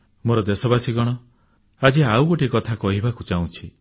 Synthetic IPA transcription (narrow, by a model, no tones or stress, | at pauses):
moɾɔd̪esɔbasiɡɔɽ̃ɔ | ad͡ʒiawɡoʈikɔt̪ʰakɔɦibakut͡ʃaw̃t͡ʃʰi